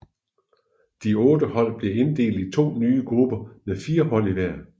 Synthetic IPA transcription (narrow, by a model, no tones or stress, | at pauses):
d̥iɔ̽ːd̥əhɒ̽l̰b̥le̝e̝nd̥e̝̰ːld̥it͡sʰo̝̰ːnyːəɡ̥ʁub̥ɐmeðˠfiːɐɦɒ̽l̰iʋæɐ̰